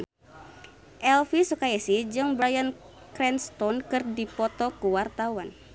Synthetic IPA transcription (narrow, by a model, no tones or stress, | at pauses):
ʔɛlfisukaasihd͡ʒɨŋbɾajan | kɾɛnst̪ɔnkɨrdipɔt̪ɔkuwart̪awan